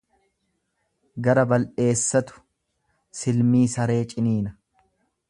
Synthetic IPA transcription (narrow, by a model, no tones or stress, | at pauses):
ɡɐɾɐbɐlʔe̞ːsːɐt̪ʊ̥ | sɪlmiːsɐɾe̞ːt͡ʃʼɪniːnɐ